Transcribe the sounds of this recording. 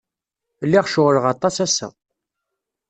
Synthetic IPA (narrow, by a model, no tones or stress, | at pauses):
lːiʁʃʊʁləʁɑt̪ˤːɑsæsæ̰